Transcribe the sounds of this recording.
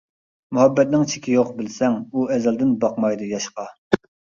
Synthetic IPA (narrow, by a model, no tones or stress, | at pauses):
muɦɛbːɛt̪̚nɪŋt͡ʃʰɪ̥kʲʰijoqbɪlsɛŋuɛzɛld̪ɪnbɑqmɑjd̪ɨjɑʃqɑ